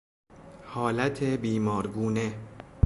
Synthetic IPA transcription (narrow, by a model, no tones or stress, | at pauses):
hɒːlæt̪ʰebiːmɒːɾɡuːne